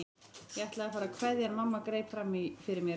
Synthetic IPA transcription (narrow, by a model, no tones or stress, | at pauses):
jɛɛht̪laɣafaːɾakʰvɛðjanmamːakɾejpfɾamːiɣfɪɾɪɾmjɛ